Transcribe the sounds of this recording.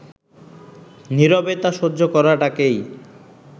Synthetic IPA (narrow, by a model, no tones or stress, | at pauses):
niɾobet̪aʃodːd͡ʑʱokɔɾaʈakej